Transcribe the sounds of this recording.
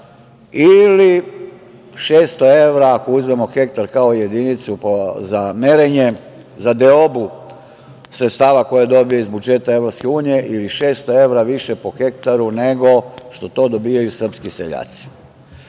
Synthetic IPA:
ili | ʃe̞ːst̪o̞e̞ʋɾaːkouzmemo̞xe̞k̚t̪aɾkao̞je̞d̪init̪supozameɾeɲe̞ | zad̪eobu | sɾet̪st̪aːʋako̞jed̪o̞bijo̞izbud͡ʒe̞t̪ae̞ʋɾopske̞uːnije̞ʔiliʃeːst̪oe̞ʋɾaʋiʃepo̞xe̞kt̪aɾune̞ɡo̞ʃt̪o̞t̪o̞ːd̪o̞biːjajusr̩pskisḛʎa̰ːt̪si̥

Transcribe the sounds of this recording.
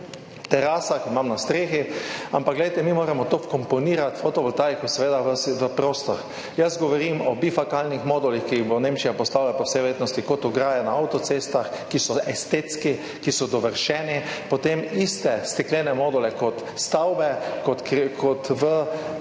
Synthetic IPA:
t̪ɛɾasakimamnast̪ɾeːxiampakɡlɛjt̪ɛmimoːɾɛmɔt̪okɔmpɔniːɾat̪fot̪ɔʋɔlt̪ajkɔsɛʋeːd̪aʋəsʋəpɾoːst̪ɔɾ | jazɡɔʋɔɾimɔbifakalnixmɔːd̪ɔlixkiɣbonẽmt͡ʃijapɔst̪awlapɔwsɛjʋɾjeːt̪nɔst̪ikɔt̪ɔɡɾaːjanaawt̪ɔt̪sest̪axkisɔʔɛst̪et̪ski | kisɔd̪ɔʋəɾʃɛːnipɔt̪emist̪ɛst̪ɛklɛːnɛmɔːd̪ɔlɛkɔt̪ | st̪awbɛkot̪kkʰɔt̪ʋə

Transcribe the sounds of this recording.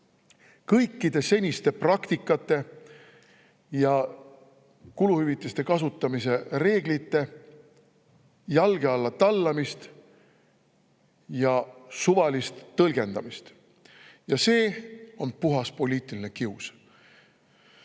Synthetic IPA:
kɤjkːˑid̪̥e̞se̞nʲist̪e̞prɑkt̪ikːˑɑt̪ːˑe̞ | jɑ | kuluhyvit̪ːˑest̪e̞kɑs̬ut̪ːˑɑmise̞re̞ːɡ̥lit̪ːˑe̞ | jɑlɡ̥e̞ɑlːɑt̪ɑlːɑmist̪ | jɑsuvɑlist̪t̪ːɤlɡ̥e̞nd̪̥ɑ̰mist̪ | jɑse̞ːo̞npuɦɑspo̞lʲiːt̪ˑiline̞kius

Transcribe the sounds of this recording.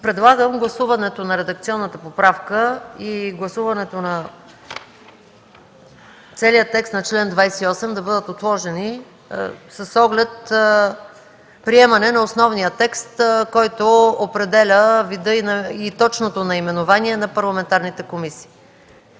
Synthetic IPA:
pɾɛd̪lˠaɡəmɡlˠɐsuvɐnɛt̪onɐɾɛd̪ɐk̚t̪siɔnːət̪əpopɾafkəiɡlˠɐsuvɐnɛt̪onɐ | t̪sɛlijət̪ːɛkst̪nɐt͡ʃlɛnd̪vajsɛiɔsɛmd̪ɐbɤd̪ət̪ot̪lˠɔʒɛni | sɐsɔɡlɛt̪̚ | pɾiɛmɐnɛnɐosnɔvnijət̪ɛkst̪kɔjt̪oopɾɛd̪ɛlʲəvid̪ɤinɐit̪ɔt͡ʃnot̪onɐimɛnovaniɛnɐpɐɾlˠɐmɛnt̪aɾnit̪ɛkomisi̥ː

